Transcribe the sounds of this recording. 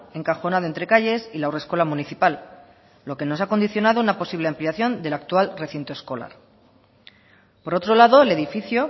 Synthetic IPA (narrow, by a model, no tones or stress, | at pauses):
e̞ŋkaxo̞naðoent̪ɾe̞kaʝe̞silauresko̞lamuniθipalː | o̞ke̞no̞sako̞nd̪iθjo̞nað̞o̞unapo̞siβle̞ampleaθjo̞nd̪e̞lak̚t̪ualre̞θint̪o̞e̞sko̞la̰ɾ | po̞ɾo̞t̪ɾo̞laðo̞ele̞ðifiθjo̞